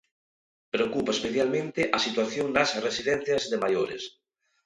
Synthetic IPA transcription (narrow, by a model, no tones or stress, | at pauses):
pɾeokupaespeθjalmẽnt̪ɪʔɐsit̪waθjoŋnasresiðɛ̃nθjɐzðemajoɾḛs